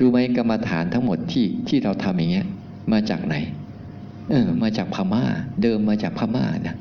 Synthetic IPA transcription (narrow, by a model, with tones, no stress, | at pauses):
duː˧ma˦˥jka˧mːa˧t̪ʰa̰ː˩˦nt̪ʰa˦˥ŋmo˨˩t̪ʰːiː˥˩t̪ʰiː˥˩ɾa˧wt̪ʰa˧mja˨˩ŋi˦˥ɐ | maː˧t͡ɕa̰ː˨˩k̚na˩˦j | ʔɤː˨˩maː˧t͡ɕaː˨˩k̚pʰaː˧maː˥˩dɤː˧mːaː˧t͡ɕaː˨˩k̚pʰaː˧˩ma̰ː˥˩na˦˥